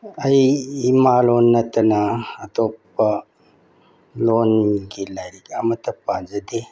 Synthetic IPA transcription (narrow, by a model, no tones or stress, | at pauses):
ɐjimalonːɐtɐnɐːtopː | ɐ | lonɡilajɾikɐmɐtɐpːad͡ʒɐde